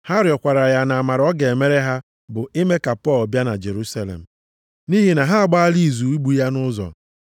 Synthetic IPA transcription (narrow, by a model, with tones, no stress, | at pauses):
ha˦ɾɪ˨ɔ˨kʷa˨ɾa˨ja˦na˨a˨ma˨ɾɔ˦ɡe˨e˨me˦ɾe˦ɦa˦ | bʊ˨ɪ˦me˦ka˨pɔ˦˨lbja˦na̰˨d͡ʒe˨ɾu˦sa˦lḛ˨m̩˨ | ni˦ɦi˦na˨ɦa˦a˨ɡ͡ba˦a˦li˦˨zu˨i˦ɡ͡bu˦ja˦nʊ˦zɔ̰˨